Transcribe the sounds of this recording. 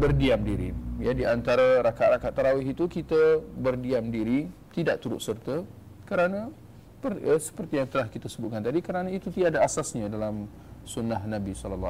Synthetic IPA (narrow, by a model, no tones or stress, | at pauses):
bərdiamdiɾḭjadiant̪aɾaɾakaʔrakaʔt̪ːaɾawɪɦit̪ukit̪əbərdiamdiɾit̪idaʔ̚t̪uɾʊ̰t̪sərt̪ə | kəɾanã | pərəsə̥pərt̪ijaŋt̪əlahkit̪asəbʊt̪̚kant̪adikəɾanãit̪ut̪idadaasasɲadalam | sunahnabisɔləlː